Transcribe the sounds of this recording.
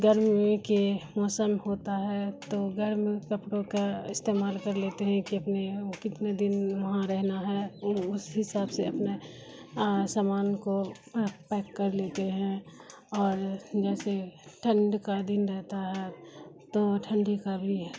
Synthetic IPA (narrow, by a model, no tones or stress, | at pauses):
ɡəɾmikemɔːsəmhoːt̪aɦɛt̪oɡəɾmikəpɽokaɪst̪eːmaːlkɐɾleːt̪eɦɛ̃kiɐpnekɪt̪ned̪ɪnʋɐɦãɾɛɦnaɦɛʊsɦɪsaːbseɐpne | saːmaːnko | pɛːkːɐɾleːt̪eɦɛ̃ | ɔːɾd͡ʒɛːseʈʰə̃ɳɖkad̪ɪnɾɛɦt̪aɦɛt̪oʈʰə̃ɳɖikabʱiɦɛ